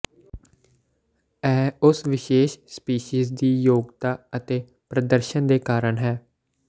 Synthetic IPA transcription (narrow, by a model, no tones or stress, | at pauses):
ɛːʊsʋɪʃeːʃspiːʃiːzd̪iːjoːɡt̪aːət̪eː | pɾəd̪əɾʃənd̪eːkaːɾəɳɦɛː